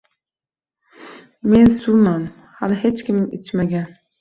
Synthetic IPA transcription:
mensumam | halɪhet͡ʃkʲimḛt͡ʃt͡ʃmaɡʲan

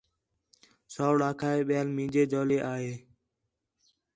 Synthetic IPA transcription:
soːɽaːkʰaːeːɓɪjaːlmĩːd͡ʒeːd͡ʒoːleːʔaːɦeː

